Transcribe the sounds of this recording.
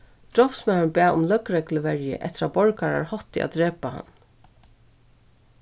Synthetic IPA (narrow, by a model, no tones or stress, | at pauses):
d̪̥ɹɔpsmɛnnbæːʊmlœkɾɛkləʋɛɹjɪ̰ʔɛ̰ht̪ɪɾabɔɹkaɾa̰ɹhɔt̪ɪa̰d̪ɹeːpaha̰n